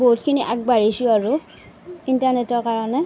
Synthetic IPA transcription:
boɦut̚kʰiniʔak̚baɹisʊaɹu | intanetɔɹkaɹɔnɛ

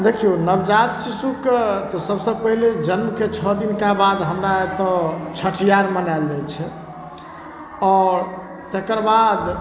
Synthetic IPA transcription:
d̪ekʰijonəbd͡ʒat̪sisukt̪ɔsəbsəb̚pəɦiled͡ʒənmket͡ʃʰɔd̪inkabad̪ɦəmɾaet̪ɔt͡ʃʰəʈʰijaɾmənaeld͡ʒɛt͡ʃʰɛ | ɔːɾ | t̪ekəɾbad̪

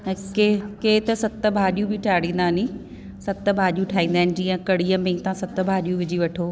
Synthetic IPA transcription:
kekeːt̪ɐsɐt̪ə̆bʱaːɗjũbʱɪʈʰaːɽĩːnd̪aːnĩ | sɐt̪̆bʱaːɗijũʈʰaːɦĩːn̆d̪aːɪnɪ̆d͡ʑiːə̃kɐɽ̤iːəmẽːt̪ãsɐt̪ə̆bʱaːɗijũʋɪd͡ʑiʋɐʈʰoː

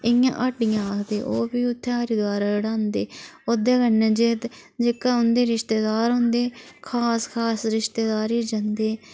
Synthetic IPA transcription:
ɪjã̰ːʔaʈɪjãːaːkʰd̪ḛːʔoːbiːʊt̪ʰːeaːɾiːd̪ʊaːɾaːləɽãːnd̪eːod̪eːkənːẽːd͡ʒeːt̪ | d͡ʒekaːʊnd̪eːɾɪʃt̪eːd̪aːɾɦʊ̃nd̪eːkʰaːskʰaːsɾɪʃt̪eːd̪aːɾiːd͡ʒãnd̪eː

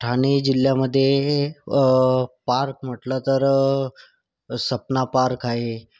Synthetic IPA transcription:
ʈʰañid͡ʑilːjaməd̪ʱːje | paɾk̚m̤əʈlət̪əɾ | səpnapaɾkaɦe

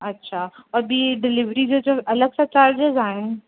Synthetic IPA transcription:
ɐtːɕʰaɔːɾbiːɖɪlɪʋɾid͡ʑod͡ʑõɐləɡsãt͡ɕaːɾd͡ʑɪzaːɦɪnɪ

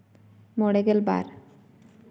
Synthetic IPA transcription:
moɽeɡelba̰ɾ

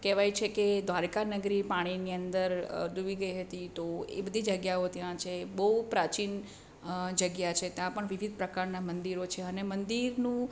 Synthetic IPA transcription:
kɛʋajt͡ʃʰeked̪ʋaɾkanəɡɾipaɽ̃iniənd̪əɾd͡ʒ̪oʋiɡəiɦət̪it̪oḛbəd̪ʱid͡ʒəɡjaot̪jãt͡ʃʰebəɦupɾat͡ʃin | d͡ʒəɡjat͡ʃʰet̪jãpəɳʋiʋid̪̚ʱpɾəkaɾnamənd̪iɾot͡ʃʰeənemənd̪iɾnũ

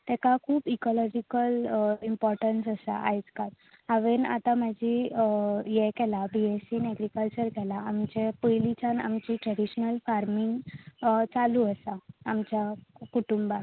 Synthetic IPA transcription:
t̪ɛkakʰuːbikɔlɔd͡ʑikəlimpɔɾʈənsəsa̰ʔa̰jd͡zkat̪ | aʋena̰t̪amad͡ʑi | jɛkɛlabiesinɛɡɾikəlt͡ɕəɾkɛlaːmt͡ɕepəjlit͡ɕana̰mt͡ɕiʈɾɛɽiɕnəlfaɾmiŋɡ | t͡saluəsaːmt͡ɕakuʈumba

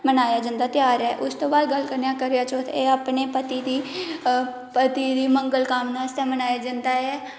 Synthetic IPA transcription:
mənaːjaːd͡ʒə̃nd̪aːt̪ɪjaːɾɛːʔʊst̪õːbaːd̪ɡəlkəɾnjãːkəɾejaːt͡ʃoːt̪ʰeːaːpneːpət̪iːd̪iː | pət̪iːd̪iːməŋɡəlkaːmnaːst̪aːmənaːjaːd͡ʒə̃nd̪aːɦɛː

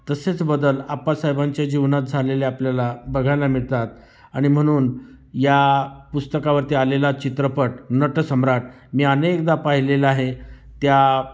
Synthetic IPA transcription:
t̪əset͡sbəd̪əlapasajbaɲt͡ɕjad͡ʑiʋnat̪̚d͡zʱaleleapljalabəɡʱajlamiɭt̪at̪̚ | aɽ̃im̤əɽ̃uːn | japust̪əkaʋəɾt̪ialelat͡ɕit̪ɾəpəʈnəʈəsəmɾaʈ | miːənekd̪apaɦilelaɦet̪ja

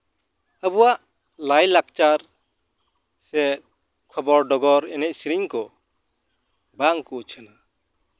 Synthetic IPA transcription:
əbuwaʔ | lajlak̚t͡ʃaɾ | sɛt̪̚ | kʰɔbɔɾɖɔɡɔɾɛnɛc̚siɾiŋkɔ | baŋkut͡ʃʰəna

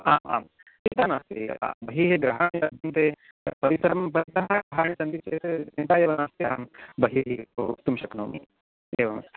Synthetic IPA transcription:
aːma̰ːm | t̪it̪anast̪ea̰bəɦiɦeɡɾɐɦaɳ̃jad̪ʱɐnt̪e | pɐɾisɾɐmpɐɾisɐɦaɡɾɐɦaːɳisɐnd̪it͡ʃet̪eint̪aeːʋɐnast̪eambəɦiɦiout̪umɕɐknoːmḭː | ḛːʋɐnɐ̰st̪e

